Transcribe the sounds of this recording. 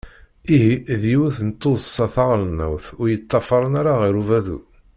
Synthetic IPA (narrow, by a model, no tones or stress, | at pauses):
iɦiðiwuθənt̪ːʊðəsːɑθaʁlənːə̰wθʊɾjət̪ˤːɑfɑɾˤənaɾaʁiɾuvæðṵ